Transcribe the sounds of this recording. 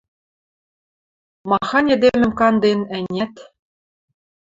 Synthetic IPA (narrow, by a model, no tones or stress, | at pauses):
mɑxɑnʲed̪emʲɘ̆mkɑnd̪enænʲæt̪